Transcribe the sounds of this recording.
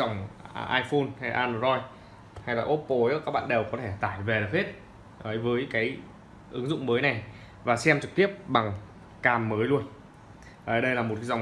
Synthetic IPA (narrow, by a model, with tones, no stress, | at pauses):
za˨˩wŋ͡mʔaː˧jfo˧nha˧ja˨ʔaː˧no˧˩zɔ˧j | ha˧jlaː˨˩ʔo˦˥pːo˧˨˦kaː˦˥k̚ɓa̰ː˧˨nɗe˨˩wkɔ˨˦t̪ʰe˧˩t̪aː˧˩jve˨˩ɗə˨˩khe˦˥t̚ | ʔəː˨˦jvəː˨˦jkaː˨˦j | ʔɨ˨˦ŋzʊ̰˧˨ŋ͡mməː˨˦jna˨˩j | vaː˨˩sɛ˧mt͡ɕɨ˨˩k̚t̪i˦˥əp̚ɓa˨˩ŋ | kaː˧mːəː˨˦jlu˧ən | ʔəː˨˩ɗə˧jlaː˨˩mo˨˩ka˨˦za˨˩wŋ͡m